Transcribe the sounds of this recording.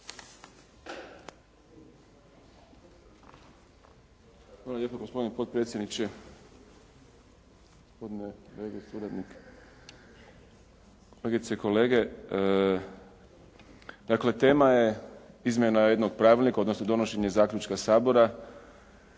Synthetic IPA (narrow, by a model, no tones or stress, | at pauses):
alalʲjepaɡospo̞d̪inpo̞t̪̚pɾe̞t̪sʲjed̪nit͡ʃe | ospod̪ineɾeɡesuɾad̪nik | oleɡit̪seiko̞le̞ːɡe̞ | d̪̥akle̞t̪e̞ːmajeizmʲjenaje̞d̪no̞ɡpɾaːʋilnikao̞d̪no̞snod̪o̞no̞ʃe̞ɲe̞zaːkʎut͡ʃkasaːbo̞ɾa